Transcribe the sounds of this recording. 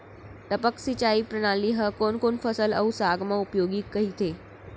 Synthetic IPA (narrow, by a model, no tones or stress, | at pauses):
t̪əpəksit͡ʃaiːpɾəɽ̃aliɦəkonkonfəsələ̰usaɡmãupjoɡiːkəɦit̪e